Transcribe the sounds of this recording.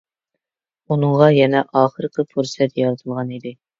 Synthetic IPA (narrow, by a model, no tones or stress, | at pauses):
unɨŋʁɑjɛnɛʔɑːχəɾɨqʰəpʰuɾsɛt̪jɑlˠt̪ʰɨlˠʁɑnid̪ɪ